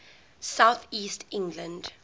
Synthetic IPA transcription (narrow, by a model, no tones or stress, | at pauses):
saʊθiːstɪ̃ŋɡlə̃nd